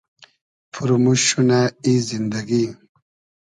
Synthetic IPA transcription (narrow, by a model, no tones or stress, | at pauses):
fuɾmuɕunaizind̪aɡi